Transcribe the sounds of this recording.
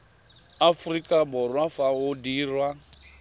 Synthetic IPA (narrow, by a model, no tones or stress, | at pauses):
afrikʼabɔrwafaodiːrwa